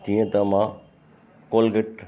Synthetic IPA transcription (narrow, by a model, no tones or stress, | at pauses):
t̪ĩːẽt̪ɐmã | koːlɡəʈ